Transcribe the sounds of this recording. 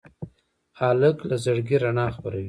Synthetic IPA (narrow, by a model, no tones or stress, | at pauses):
ɑləklazaɽɡiɾanɑxpaɾawi